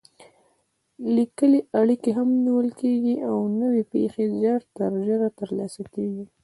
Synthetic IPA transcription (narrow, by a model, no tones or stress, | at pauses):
likəleaɽikeɦamniwəlkeɡiʔawnəwepḛxezjɑɽt̪aɾʒəɾat̪əɾlɑsakeɡi